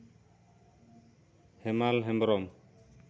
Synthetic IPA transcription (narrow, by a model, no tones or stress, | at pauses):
hɛmalɦɛmbɔɾɔm